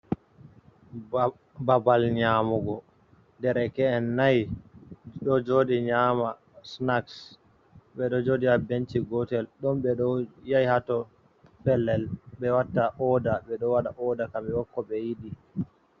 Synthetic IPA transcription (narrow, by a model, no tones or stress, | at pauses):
babalɲamuɡɔ | ndɛɾɛkɛɛnːaj | ɗɔd͡ʒodiɲama | snaks | ɓɛɗɔd͡ʒodiabent͡ʃiɡɔtɛlɗɔmɓɛɗɔjajhatɔ | pɛlːɛlɓɛwatːaʔɔdaɓɛɗɔwaɗaʔɔdakamɛwɔkːɔɓɛjidi